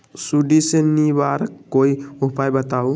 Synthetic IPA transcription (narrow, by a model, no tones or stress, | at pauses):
suɖisenibaɾəkːoiupajbət̪au